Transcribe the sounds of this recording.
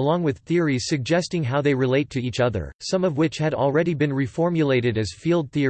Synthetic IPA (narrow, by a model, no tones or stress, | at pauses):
əlɔ̃ŋwɨð̥θɪɹiz̥sɨɡ̚d͡ʒɛstɪ̃ŋɦaʊðeɪɹɨleɪtʰɨit͡ʃʌðə̰˞sʌ̃mʌvwɪt͡ʃhɨɾl̩ˠɹɛɾibɨ̃nɹifɔɹmjɨleɪɾɨɾɨz̥filˠd̪̚θi